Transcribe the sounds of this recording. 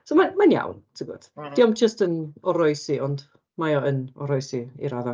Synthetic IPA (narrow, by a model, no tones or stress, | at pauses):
somanmanja̰wntʰəɡʊ̰d̥d̥iɔmd͡ʒəstənɔɾɔjsiʔɔnd | majɔənɔ̰ɾɔjsiḭɾaða